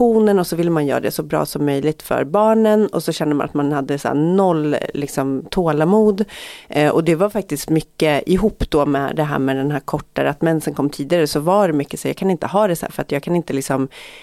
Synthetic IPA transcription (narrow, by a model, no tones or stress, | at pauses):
uːnənɔsɔvɪlːəmanjœ̰ːɾa̰d̪ɛsɔbɾɑ̰ːsɔmːœjlɪɡ̚t̪fœ̰ɾbɑːɳənɔsɔɕɛnd̪əma̰nʔat̪manhad̪ːəsæ̰ːnɔlːlɪksɔmt̪ʰoːlamuːd̪ʔɔ̰d̪ɛvaɾfak̚t̪ɪst̪mʏkːəɪɦuːpːd̪̥ɔmɛ̰d̪ɛɦæ̰ːɾmɛd̪ɛnɦæːɾkʰɔʈːaɾəat̪mɛnsənkʰɔmːt̪ʰiːd̪ɪɡaɾəsɔvaɖɛmʏkːə̥sɔɾjɑːɡkʰanɪnt̪əɦɑːd̪ɛsæ̰ɾfœɾat̪jɑːɡkʰanɪnt̪əlɪksɔm